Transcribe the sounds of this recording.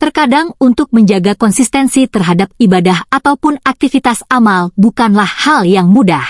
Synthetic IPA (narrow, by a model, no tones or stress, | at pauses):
t̪ərkadaŋunt̪ʊk̚məɲd͡ʒaɡakɔnsist̪ɛnsit̪ərɦadap̚ibadaɦat̪awpʊnak̚t̪ifit̪asamalbukanlahhaljaŋmudah